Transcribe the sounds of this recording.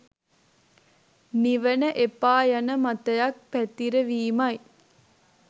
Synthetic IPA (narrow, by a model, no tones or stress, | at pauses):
niʋənəʔepaːjanəmat̪əjak̚pæt̪iɾəʋiːmɐj